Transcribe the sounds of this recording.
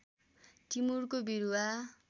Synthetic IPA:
ʈimurkobiɾuwa

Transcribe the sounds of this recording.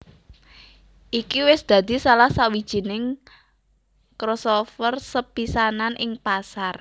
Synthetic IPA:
ʔikiwɪsd̪̥ä̤d̪̥i̤salahsawi̥ʒ̥i̤nɪŋ | kɾɔsofərsəpisananʔɪŋpasar

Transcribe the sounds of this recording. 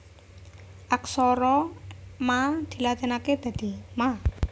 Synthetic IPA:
ʔaksɔɾɔmad̪̥i̤lat̪enaked̪̥ä̤d̪̥i̤ma

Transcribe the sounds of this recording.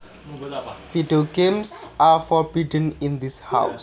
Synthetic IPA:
fidioɡẽmsʔaɹfɔɹb̥idənind̪isha̰ws

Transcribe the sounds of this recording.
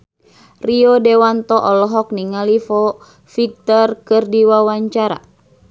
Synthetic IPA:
riɔdewant̪ɔʔɔlɔɦɔk̚niŋalifɔ | fik̚t̪ɔrkɨrdiwawaɲt͡ʃaɾa̰

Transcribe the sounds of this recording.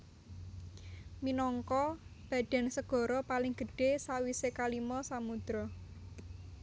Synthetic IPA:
minɔŋkɔb̥ä̤d̥ɛ̤nsəɡ̥ɔ̤ɾɔpalɪŋɡ̥ə̤ɖ̥e̤sawisekalimɔsamud̪̥ɾɔ

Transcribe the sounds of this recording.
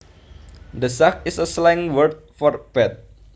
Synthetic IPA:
d̪əsakɪsəslaŋwərt̪̚fɔrpɛt̪̚

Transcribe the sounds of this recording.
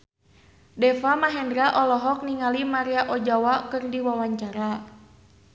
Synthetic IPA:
dɛfamaɦɛndɾaʔɔlɔɦɔk̚niŋalimaɾiaʔɔd͡ʒawakɨrdiwawaɲt͡ʃaɾa

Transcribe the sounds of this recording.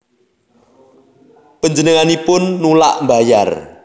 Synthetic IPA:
pəɲd͡ʒənəŋanipʊnːula̰ʔmbaja̰r

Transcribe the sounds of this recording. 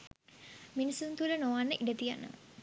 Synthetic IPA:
minisunt̪uɾənoʋanːəʔiɖət̪ija̰nə̰

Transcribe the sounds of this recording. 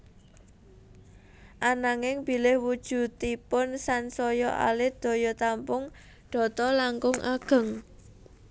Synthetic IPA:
ʔanaŋɪŋbi̤lɪhwud̥ʒ̥ṳt̪ipʊnsansɔjɔʔa̰lɪd̪̥o̤jɔt̪ampʊŋ | ɖ̪̥ɔ̤t̪ɔlaŋkʊŋʔa̰ɡ̥ə̤ŋ

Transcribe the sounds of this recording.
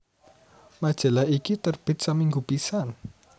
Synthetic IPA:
mad̥ʒ̥a̤laikit̪ərb̥ɪ̤t̪̚samiŋɡupisan

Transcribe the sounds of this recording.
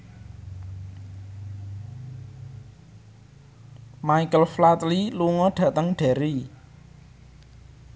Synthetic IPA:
maikəlflat̪liluŋɔɖ̥ä̤ʔt̪əŋɖ̥a̤ɾi

